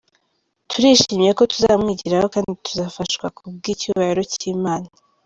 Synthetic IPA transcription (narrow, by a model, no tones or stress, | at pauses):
tʰuɾiːʃiːmjeko̞tuza̰βmŋiːɟiɾaho̞kaːndituzaːfaʃwakub̚ɡiːcuβahiɾo̞ciːmaːna